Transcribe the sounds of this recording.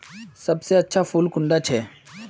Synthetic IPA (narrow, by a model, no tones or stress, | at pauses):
sɐbseɐtːʃʰapʰuːlkʊ̃ɳɖat͡ʃʰɛː